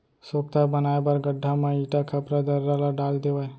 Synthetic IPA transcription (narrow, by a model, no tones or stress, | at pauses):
soːk̚t̪abənaebəɾɡəɖʱamãiʈakʰəpɾad̪əɾːalaɖaːld̪eʋae